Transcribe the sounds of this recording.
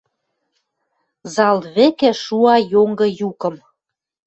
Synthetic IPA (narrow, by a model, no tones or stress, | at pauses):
zɑlβekĕʃuɑjoŋɡɤ̆jukɤ̆m